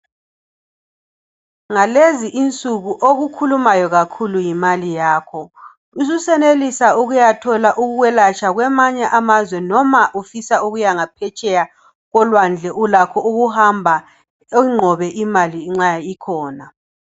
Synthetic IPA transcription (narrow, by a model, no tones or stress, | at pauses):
ŋaleziʔint͡sʼuɣuʔoɣukʰulumajɔɣakʰulujimalijaːkʰɔ | uzusɛnelisauɣujatʰɔlaʔuɣuɣwɛlat͡ʃʼaɣwɛmaɲɛʔamazwɛnɔmaʔufisauɣujaŋapʰɛt͡ʃʼɛja | ɣɔlwand͡ɮʱɛʔulakʰɔuɣuhambʱa | ŋ͡ǃʱɔβɛʔimaliŋ͡ǁaikʰɔːna